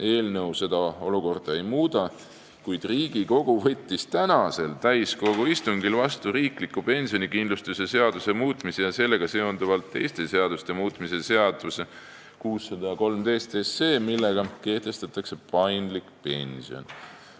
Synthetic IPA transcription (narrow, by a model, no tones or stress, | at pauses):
e̞ːlnɤ̞wse̞d̪̥ɑo̞luko̞rd̪̥ɑe̞jmuːd̪̥ɑ | kujd̪̥riːɡ̥iko̞ɡ̥uvɤ̞t̪ʲːist̪ænɑse̞lt̪æjsko̞ɡ̥uist̪uŋɡilvɑst̪uɾiːklikːˑupe̞nʲsio̞nʲikind̪lust̪use̞se̞ɑd̪̥use̞muːt̪ˑmisejɑse̞lːe̞ɡ̥ɑse̞ond̪̥ɑvɑlt̪ːe̞jst̪e̞se̞ɑd̪̥ust̪e̞muːt̪ˑmise̞se̞ɑd̪̥use | kuːsːɑd̪ɑjɑko̞lmd̪e̞jst̪e̞sːe̞ːmilːe̞ɡ̥ɑke̞ht̪e̞st̪ɑt̪ːˑɑkse̞pɑjnd̪likpe̞nʲsio̰n